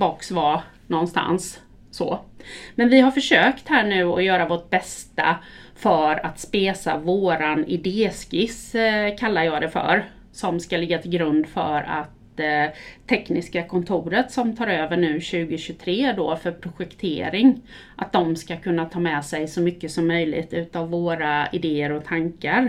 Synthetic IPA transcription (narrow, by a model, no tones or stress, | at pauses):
bɔksva | nɔnːst̪a̰nsː | ɔmɛnvɪɦaɾfœʂøːkt̪hæːɳʉ̟ːɔjœːɾavoʈ̚bɛst̪a̰fœɾat̪speːsa̰voːɾanɪd̪eːskɪskʰalːajɑːd̪ɛfœ̰ɾ | sɔmskalɪɡːat̪ʰɪlɡɾɵnd̪fœ̰ɾa̰t̪ʰ | ɛknɪskakʰɔnt̪ʰuːɾət̪sɔmt̪ʰɑːɾøːvəɳʉ̟ːɕʉ̟ːɡəɕɵt̪ʰɾeːd̪oːfœɾpʰɾʊɧɛkt̪ʰḛːɾɪŋ | ʔat̪̚d̪ɔmskakʰɵnːat̪ʰɑːmɛsɛjsɔmʏkːəsɔmːœjlɪ̰ɡt̪ʉ̟ːt̪avːoːɾaɪd̪eːəɾɔt̪ʰaŋkaɾ